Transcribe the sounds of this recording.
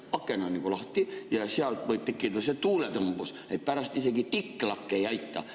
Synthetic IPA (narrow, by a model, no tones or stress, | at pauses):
ɑkːenɑnikulɑht̪ijɑsiɑlt̪voj̚t̪ekːit̪et̪ɑset̪uːlet̪ɤmb̥us | et̪̚pæɾɑst̪ise̞ɡit̪ikːlɑkːeejɑjt̪ːɑ̰